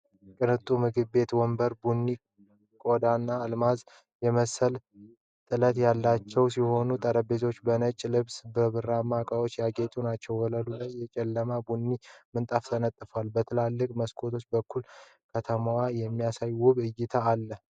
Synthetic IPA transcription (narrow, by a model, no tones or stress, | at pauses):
kʼɨnɨt̪ʼumɨɡɨβːe̞t̪wɔmbəɾbunːi | kʼod̪anːaːlmaz | jɛməsəl | t̪ʼɨlət̪jalːat͡ʃːɛwsiho̞nut̪ʼəɾəbezo̞t͡ʃːbənət͡ʃʼːlɨβsbəβɨramːakʼawo̞t͡ʃːjaɡet̪ʼunat͡ʃːɛwɔləlulajːɛt͡ʃʼɛlːəmabunːimɨnt̪ʼaft̪ʰənət̪ʼːɨfwalbət̪ʰɨlalːɨkʼməskʰo̞t̪ʰo̞t͡ʃːbəkːul | kʰət̪ʰəmawajɛmːijasajwʊβɨjːɪt̪ʰaːlːə